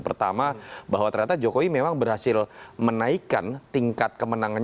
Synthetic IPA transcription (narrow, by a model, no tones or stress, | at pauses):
pərt̪amabaɦwat̪ərɲat̪ad͡ʒokowimemaŋbərɦasɪlmənaika̰nt̪iŋkat̪̚kəmənaŋan